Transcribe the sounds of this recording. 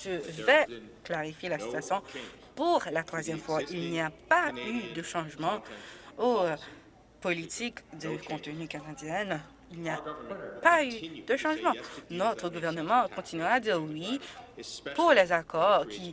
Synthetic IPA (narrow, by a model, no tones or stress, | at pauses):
ʒəvɛklaʁifjelasi̥t̪yasjɔ̃ | puʁlat̪χwazjɛmfwaʔilniapayd̪əʃɑ̃ʒmɑ̃o | polit̪ʰikd̪əkɔ̃t̪ənykanad̪jɛn | ilniapayd̪əʃɑ̃ʒmɑ̃nɔt̪χəɡuvɛʁnəmɑ̃kɔ̃t̪inyʁaːd̪iːʁwi | puʁlɛzakɔʁkʲʰi